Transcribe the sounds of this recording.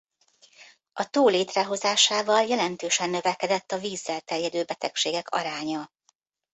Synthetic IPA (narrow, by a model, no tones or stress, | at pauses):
ɒt̪oːleːt̪rɛɦo̞zaːʃaːvɒljɛlɛnt̪øːʃɛnːøvɛkɛd̪ɛt̪ːɒviːzːɛlt̪ɛrjɛd̪øːbɛt̪ɛkʃeːɡɛkʰɒ̰ɾaːɲɒ